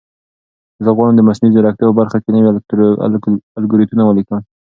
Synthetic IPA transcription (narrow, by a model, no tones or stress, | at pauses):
zəɣwɑɽand̪əmasnizoɾak̚t̪jpəbaɾxakenawi | alɡuɾit̪unawəlikən